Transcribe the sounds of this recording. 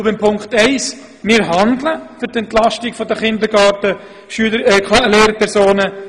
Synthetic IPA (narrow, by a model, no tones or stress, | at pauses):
ʊbɪmpʰʊŋkχtɛɪs | mɪɾɦɑndləfyɾtɛntlɑʃtɪkfɔdəχɪnd̪əɾɡɑːtə | ʃyəleːɾəpʰɛɾsoːnə